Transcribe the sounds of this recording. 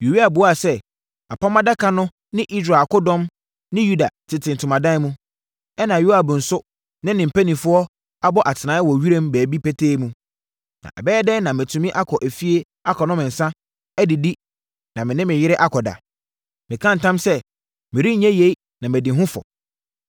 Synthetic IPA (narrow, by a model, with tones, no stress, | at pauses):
ju˨wi˦a˨bʊ˨˦a˨sɛ˦ | a˨pʰa˦mã˦da˦kʰã˦nʊ̃˦ | nɪ̃˦ʔi˦s̬ɾaː˨kʊ˦dɔ̃˦m | nɪ̃˦ju˦da˨tʰɪ˨tʰɪ̃˨n˨tʰʊ˨mã˨dã˦mũ˦ | ɛ˦nã˨ju˦a˨bʊ˨n̩˨sʊ˦ | nɪ̃˦nɪ̃˨m̩˨pʰæ˦nĩ˨fʊ˦ɔ˦ | a˦bɔ˦ʔa˨tʰɪ˨nã˨˦wɔ˨ɥi˦ɾẽ˦mbæː˨bi˦pɛ˦tʰeː˦mũ˦ | nã̰˨ʔa̰˨bɛː˦dɛ˦nã˨mɛ˨tʰũ˨mĩ˦ʔa˦kʰɔ˨ʔæ˨fi˦e˦ | a˦kʰɔ˨nʊ̃˦mɪ̃˨n̩˨sã˦ | æ˦dɪ˨di˦ | nã˨mɪ̃˨nɪ̃˦mɪ̃˨jɪ˦ɾɪ˦ʔa˦kʰɔ˨da̰˨ | mɪ̃˨kʰã˦n̩˨tʰã˦msɛ˦ | mɪ̃˨ɾi˦ɲ̩˦ɲɛ̃˦je˨˦i˦ | nã˨mɪ̃˨dɪ˨ɦʊ̃˦fɔ̰˨